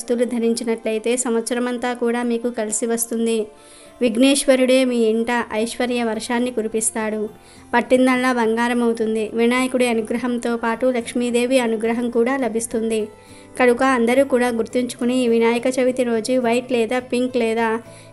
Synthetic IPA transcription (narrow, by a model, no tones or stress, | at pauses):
st̪ulud̪ʱɐɾiɲt͡ʃinɐʈlɐjt̪e̞ːsɐmʋɐt̪sɐɾɐmɐnt̪aːkuːɽaːmiːkukɐlisiʋɐst̪und̪i | ʋiɡneːʂʋɐɾuɽe̞ːmiːiɳʈɐʔɐjʂʋɐɾjɐʋɐɾʂaːnːikuɾipist̪aːɽu | pɐʈːind̪ɐɭːabɐŋɡaːɾɐmɐwt̪und̪iʋinaːjɐkuɽeɐnuɡɾɐɦɐmt̪o̞ːpaːʈulɐkʂmiːd̪e̞ːʋiɐnuɡɾɐɦɐmkuːɽaːlɐbʱist̪und̪i | kɐɽukɐːnd̪ɐɾukuːɽaːɡuɾt̪iɲt͡ʃu̥kuniʋinaːjɐkɐt͡ʃɐʋit̪iɾo̞ːd͡ʒuʋɐjʈlɛːd̪aːpiŋklɛːd̪aː